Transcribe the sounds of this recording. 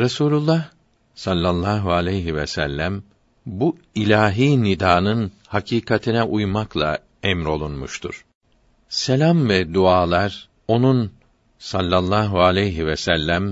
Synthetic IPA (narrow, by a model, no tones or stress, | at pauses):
ɾasuːlʲulˠːah | salʲːalˠːaːɦualʲɛjɦivɛsælʲːæm | bu | ilʲaːɦiːnid̪aːnɯn | hacʰiːkʰat̪ʰinɛʔujmaklˠa̰ | ɛmɾo̞lˠunmuʃt̪ʰṵɾ̥ | selʲamvɛd̪uaːlˠaɾ | o̞nun | salʲːalˠːaːɦualʲɛjɦivɛsælʲːæm